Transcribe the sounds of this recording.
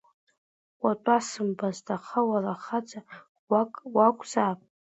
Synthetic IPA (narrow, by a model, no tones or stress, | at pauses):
atʷʼasɨmbaztʰʼaχawaraχad͡za | wakʷʼz̥apʼ